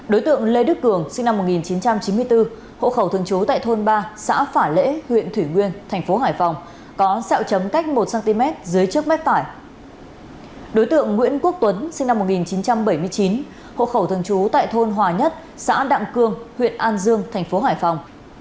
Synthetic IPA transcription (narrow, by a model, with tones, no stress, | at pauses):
ɗo˨˦jt̪ɨ̰˧˨əŋle˧ɗɨ˦˥k̚kɨ˧˩əŋsï˧ŋna˧mːo˨˩t̚ŋi˨˩nt͡ɕi˨˦nt͡ɕa˧mt͡ɕi˨˦mɨ˧əjt̪ɨ˧ | ho̰˧˨xə˧˩wt̪ʰɨ˧˩əŋt͡ɕu˨˦t̪a̰ː˧˨jt̪ʰo˧nɓaː˧sa̰ː˧˥faː˧˩lḛ˧˥hwḭ˧˨ənt̪ʰwi˧˩ŋwi˧ənt̪ʰɛ˨˩ŋ̟fo˨˦ɦaː˧˩jfa˨˩wŋ͡m | kɔ˨˦sa̰˧˨wt͡ɕə˨˦mka˦˥jk̟̚mo˨˩t̚saː˧nt̪i˧mɛ˦˥t̚zɨ˨˦əjt͡ɕɨ˦˥ək̚mɛ˦˥p̚t̪aː˧˩j | ɗo˨˦jt̪ɨ̰˧˨əŋːwḭ˧˥ənku˦˥ək̚t̪wə˨˦nsï˧ŋna˧mːo˨˩t̚ŋi˨˩nt͡ɕi˨˦nt͡ɕa˧mɓə˧˩jmɨ˧əjt͡ɕi˨˦n | ho̰˧˨xə˧˩wt̪ʰɨ˧˩əŋt͡ɕu˨˦t̪a̰ː˧˨jt̪ʰo˧nɦwaː˨˩ɲə˦˥t̚ | sa̰ː˧˥ɗa̰˧˨ŋkɨ˧əŋhwḭ˧˨ənʔaː˧nzɨ˧əŋt̪ʰɛ˨˩jŋ̟fo˨˦ɦaː˧˩jfa˨˩wŋ͡m